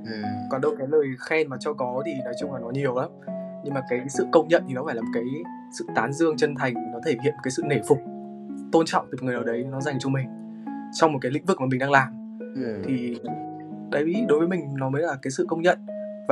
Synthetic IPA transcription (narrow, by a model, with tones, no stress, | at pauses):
kɔ˨˩ɗo˧˨kaː˨˦jləː˨˩jxɛ˧nmaː˨˩t͡ɕɔ˧kɔ˨˦t̪ʰi˨˩nɔ˨˦jt͡ɕʊ˧ŋ͡mlaː˨˩nɔ˨˦ɲi˨˩əwʔaː˨˦ɲɨ˧ŋmaː˨˩kaː˨˦jsɨ̰˧˨kə˧wŋ͡mɲə̰˧˨nt̪ʰi˨˩nɔ˨˦faː˧˩jaː˨˩mo˨˩t̚kaː˨˦j | sɨ̰˧˨t̪aː˨˦nzɨ˧əŋt͡ɕə˧nt̪ʰa˨˩jŋ̟˨nɔ˨˦t̪ʰe˧˩hḭ˧˨nm˨˩kːaː˨˦sɨ̰˧˨ne˧˩fʊ˨˩k͡p̚ | t̪o˧nt͡ɕɔ̰˧˨ŋ͡mt̪i˨˩ŋɨ˨˩ənəː˨˩ɗə˨˦jnɔ˨˦za˨˩jŋ̟t͡ɕɔ˧mï˨˩ŋ̟ | t͡ɕwŋ͡mmo˨˩t̚kaː˨˦lḭ̈˧˥ŋ̟vɨ˨˩k̚maː˨˩ï˨˩ŋ̟ɗaː˧ŋlaː˨˩m | t̪ʰi˨˩ | ɗə˨˦jvi˧˥ɗo˨˦jvəː˨˦mï˨˩ŋ̟nɔ˨˦məː˨˦jlaː˨˩kaː˨˦jsɨ̰˧˨kə˧wŋ͡mɲə̰˧˨n | va˨˩